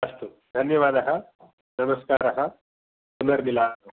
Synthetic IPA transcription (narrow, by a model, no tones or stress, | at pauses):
ɐst̪u | d̪ʱɐnjɐʋaːd̪ɐɦɐ | nɐmɐskaːɾɐɦɐ | sunɐɾnilaːu